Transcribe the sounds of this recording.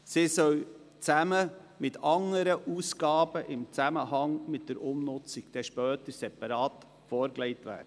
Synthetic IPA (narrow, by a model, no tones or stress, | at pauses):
sisœl | t͡sæmə | mɪtʰɑŋəɾəʔuːsɡ̥ɑːb̥əʔɪmt͡sæməhɑŋmɪt̚d̥əɾʔʊmnʊt͡sɪkd̥ɛːʃpœːtəɾsɛpɑɾɑːt | foːɾkleɪtʋæ̰ːd